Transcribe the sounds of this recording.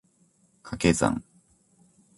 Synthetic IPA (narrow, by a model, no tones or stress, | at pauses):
kʰakezã̰ŋ